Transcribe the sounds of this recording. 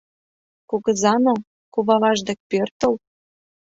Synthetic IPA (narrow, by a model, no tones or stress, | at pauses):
koɣɤ̆zɑno | kuβɑlɑʒd̪ĕk̚pørt̪ə̆l